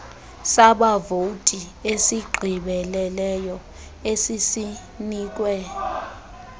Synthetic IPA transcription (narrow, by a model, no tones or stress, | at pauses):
saɓavotʼi | esiɡ͡ǃʱiɓɛlɛlɛjɔ | esisi | niːk̬ʼwɛ